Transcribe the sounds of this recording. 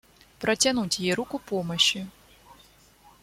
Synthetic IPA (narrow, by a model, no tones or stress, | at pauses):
pɾɐt͡sʲanut͡sʲjɛɾukʊpɔmɐɕi